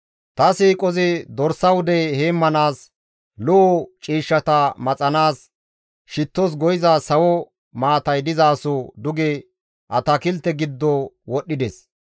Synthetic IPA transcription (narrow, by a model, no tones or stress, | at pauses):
t̪ɐsiːkʼɔzɪd̪ɔɾsɐwʊd̪ɛheːmːɐnaːs | lɔʔɔt͡ʃʼiːʃːɐt̪ɐmɐt͡sʼɐnaːs | ʃɪt̪ːɔs̬ɡɔjɪzaːsɐwɔ | maːt̪ɐjd̪ɪzaːsʊd̪ʊɡɛ | ʔɐt̪ɐkɪlt̪ːɛɡɪd̪ːɔwɔɗːɪd̪ɛs